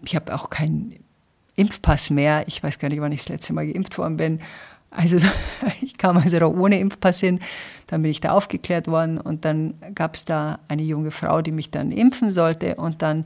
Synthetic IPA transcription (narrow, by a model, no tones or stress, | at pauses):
ɪçhaːba̰ʊxkʰaɪnn | ʔɪmfpʰasmeːɐɪçv̥aɪsɡ̥aːɐnɪçtv̥anɪçslɛ̰t͡stəmaːlɡəʔɪmftv̥ɔ̰ɐdn̩bɪn | ʔa̰lzoɪçkʰaːmalzoɾɔχʔoːnəʔɪmfpʰashɪnd̥anbɪnɪçd̥a̰ːʔaʊfɡ̥əkl̥eːɐtv̥ɔɐdn̩ʊ̰nt̚d̥anɡ̥aːpsd̥aːʔaɪnəjʊŋəfʁ̥a̰ʊdiːmɪçd̥a̰nʔɪ̰mfn̩zɔltə̰ʔʊnt̚d̥an